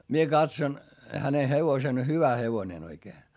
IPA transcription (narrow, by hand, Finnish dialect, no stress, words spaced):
mie kɑtson hæne heʋosen hyʋæ heʋonen oikeː